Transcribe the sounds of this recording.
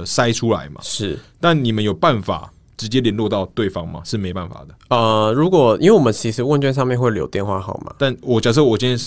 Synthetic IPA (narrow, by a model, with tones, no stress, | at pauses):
sa˥ɪʈ͡ʂʰu˥la̰˨˦ɪmɐ̰˨˦ʂɻ̩˥˩t̪a˥˩nni˨˩mə˦njo˨˩pa˥˩nfa̰˨˩ | ʈ͡ʂɻ̩˧˥t͡ɕjɛ˦˥li˧˥˦nlwɔ˥˧t̪ɑ˥˧ʊt̪we˥˨˩ɪfɑ˦ŋma̰˨ʂɻ̩˥˩me˧˥ɪpa˥˩nfa̰˨˩d̪ə˩ə˧ɻu˧˥kwɔ˨˩ḭ˥nwe˥˩wɔ˨˩mə˦nt͡ɕʰi˧˥ʂɻ̩˧˦wə˥˧nt͡ɕɥɛ˥˧nʂ̬ɑ˥˧mjɛ˥˧nxwe˥˩ljo̰˨˧ʊt̪jɛ˥˧nxwa̰˥˩xɑ˨˩ʊma̰˨˦t̪a˥˩˨nwɔ˨˩t͡ɕjɑ˨˩ʂ̬ɔ˥˩wɔ˨˩ɕi˥nʰi˥n˥